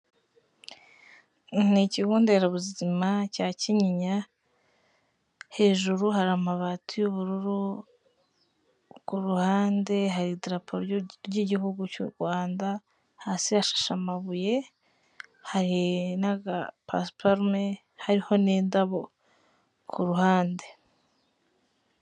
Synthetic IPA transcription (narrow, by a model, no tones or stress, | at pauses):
niciɡuːndeɾaβuzizimacaːciɲiɲa | he̞ːʒuɾuhaɾamaβatujuβuɾuɾu | kuɾuhaːnde̞ɦaɾidɾapʰoɾɾɟiɟihuɡucṵɾɡwaːnda | hasiaʃḁʃamaβuje̞ | haɾinaɡapa̰spoɾme | haɾiho̞neːndaβo | kʰuɾuhaːnde̞